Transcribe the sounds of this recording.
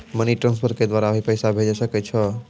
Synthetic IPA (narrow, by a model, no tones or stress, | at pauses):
məniʈɾãnspʰəɾked̪ʋaɾabʱipəjsabʱed͡ʒasəkɛt͡ʃʰɔ